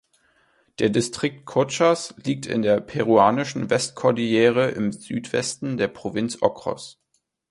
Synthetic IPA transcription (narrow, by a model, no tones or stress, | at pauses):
d̥eːɐdɪstʁ̥ɪk̚t̚kʰʊt͡ʃasliːk̚tɪ̰ndeːɐpʰɛʁuaːnɪʃn̩vɛstkʰɔɐdieːʁ̞əʔɪ̰mzyːtv̥ɛ̰stn̩deːɐpʁ̥ovɪnt͡sʔɔkʁ̥ɔ̰s